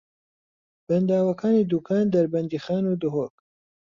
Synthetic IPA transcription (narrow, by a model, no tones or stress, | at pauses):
b̥ɐnd̪aːwɐkaːniːd̪uːkʰaːnd̪ɐɾbɐnd̪iːxaːnuːd̪ʊɦoːk